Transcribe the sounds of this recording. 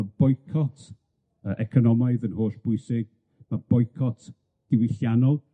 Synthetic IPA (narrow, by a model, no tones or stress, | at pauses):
ab̥ɔjkʰɔtʰ | əʔɛkʰɔnɔmaɨðənhoːɬb̥ʊɨsɪɡ̥̚ | mab̥ɔjkʰɔtʰ | d̥ɪwɪɬjanɔlˠ